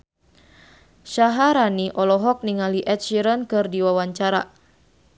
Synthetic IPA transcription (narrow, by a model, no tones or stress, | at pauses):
ʃaɦaɾaniʔɔlɔɦɔk̚niŋaliʔɛt̪̚ʃiɾənkɨrdiwawaɲt͡ʃaɾa